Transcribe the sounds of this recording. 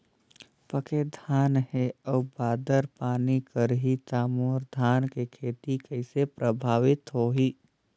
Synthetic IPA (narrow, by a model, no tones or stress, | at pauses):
pəked̪ʱaːnheɔːbaːd̪əɾpaːnikəɾɦit̪aːmoːɾd̪ʱaːnkekʰeːt̪ikəɪsepɾəbʱaːʋɪt̪ɦoːɦiː